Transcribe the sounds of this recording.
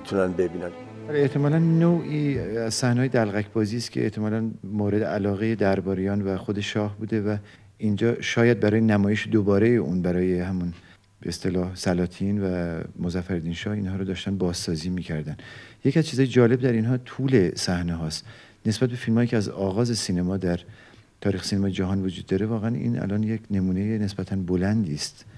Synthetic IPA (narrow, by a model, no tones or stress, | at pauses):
it̪ʰunænbebiːnæn | æleeht̪ʰe̞mɒːlænnoːʔiːæzsæhnehɒjeælɣæcʰbɒːziːst̪kʰe̞ʔḛht̪ʰe̞mɒːlænmoːɾe̞d̪eʔælɒːɣe̞je̞d̪æɾbɒːɾejɒːnvæxo̞d̪e̞ʃɒːhbuːd̪e̞væ | ind͡ʒɒːʃɒːjæd̪̚bæɾɒːjenæmɒːje̞ʃed̪obɒːɾe̞jeʔuːnbæɾɒːjehæmun | beest̪e̞lɒːhsælɒːt̪ʰinvæmozæfæɾd̪iːnʃɒːhiːnhɒːɾɔd̪ɒːʃt̪ænbɒːzsɒːziːmiːcʰæɾd̪ænd̪je̞cʰiæzt͡ʃʰiːzɒːjed͡ʒɒːle̞bd̪æɾinɦɒːt̪ʰuːle̞sæhneɦɒːst̪ | ne̞sbæt̪̚be̞filmhːjicʰeæzɒːɣɒːze̞siːnemɒːd̪æɾ | t̪ʰɒːɾiːxe̥siːnemɒːjed͡ʒæɦɒːnvod͡ʒuːd̪ːɒːɾe̞vɒːɣeænḭːnʔæ̰lɒːnje̞kʰne̞muːnejene̞sbæt̪ʰænbolænd̪iːst̪